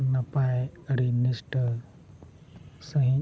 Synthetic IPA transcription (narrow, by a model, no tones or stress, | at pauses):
nɐpaeəɽinisʈə | səɦĩ